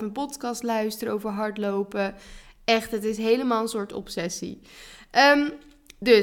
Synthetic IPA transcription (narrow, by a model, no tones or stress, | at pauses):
ənpɔtkɑstlœɥstəɾəowvəɹɦɑɹtlowpəɛχtɦətɪsɦejləmaːlˠə̃nsʊːɹtɔ̰psɛsḭʔəm | dɵ